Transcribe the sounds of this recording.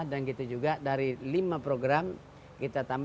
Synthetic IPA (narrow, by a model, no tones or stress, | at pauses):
hdanɡit̪ud͡ʒuɡadaɾilimapɾoɡɾam | kit̪at̪amb